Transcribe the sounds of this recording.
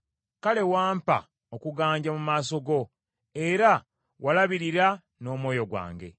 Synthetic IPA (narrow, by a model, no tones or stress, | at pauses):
kale̞waːmpa̰ | okuɡaːɲɟamumaːso̞ɡo̞ | e̞ɾa | walaβiɾiɾa | no̞ːmwo̞ːjo̞ɡwa̰ːŋɡe̞̰